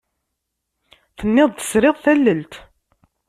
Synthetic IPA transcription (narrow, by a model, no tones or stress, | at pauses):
θənːɪðˤθə̥sɾɪðˤθælːəlt̪